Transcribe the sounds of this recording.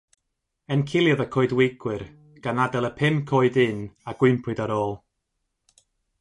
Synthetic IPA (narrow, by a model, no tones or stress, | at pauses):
ɛnkʰɪlˠjaðakʰoːɨdwɪɡ̥wɨr | ɡ̥anadɛlˠəpʰɪmkʰoːɨdɪnaɡ̥wɪmpʰɨdaɾoːlˠ